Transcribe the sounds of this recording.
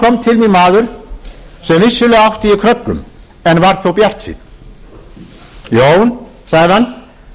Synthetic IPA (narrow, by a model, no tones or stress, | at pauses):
kʰɔmːt̪ʰɪlminmaːðʏɾ̥ | sɛmvɪsːʏlœɣaawht̪ɪikʰɾœkːʏ̰m | ɛnvaɾ̥θowpjar̥t̪sḭt̪ | joːwn | saɣðɪhanː